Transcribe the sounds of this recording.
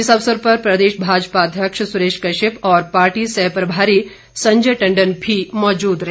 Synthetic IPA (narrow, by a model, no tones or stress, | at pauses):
ɪsɐʋsəɾpɐɾpɾɐd̪eːʃbʱaːd͡ʒpad̪ʱjɐkʃsʊɾeːʃkɐʃɪpɔːɾpaːɾʈiːsɛɦpɾɐbʱaːɾi | sɐ̃ɲd͡ʒəʈɐ̃ɳɖənbʱimɔːd͡ʒuːd̪ɾɐɦe